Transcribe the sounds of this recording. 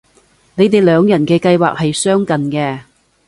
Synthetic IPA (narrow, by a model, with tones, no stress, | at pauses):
ne˨˧jt̪e˨jlœː˨˧ŋjɐ˨˩nkɛː˧kɐ˧jwa̰ː˨k̚hɐ˨jsœː˥ŋkɐ˨nkɛː˧